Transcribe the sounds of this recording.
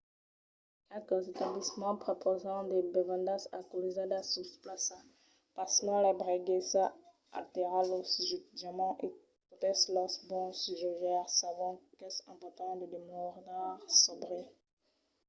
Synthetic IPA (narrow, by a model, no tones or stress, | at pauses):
kat̪əzet̪ablismɑ̃pχopʰozɑ̃d̪ebevɑ̃nd̪ãsakulizad̪asusplasa | pasmɑ̃lɛbʁeɡesa | a̰t̪eʁalosʒyt̪d͡ʒamɑ̃ʔe | ɔt̪ɛslɔsbɔ̃sʒɔʒɛʁsavɔ̃kɛsɑ̃pɔt̪ɑ̃d̪əd̪emuʁnaʁsɔbʁe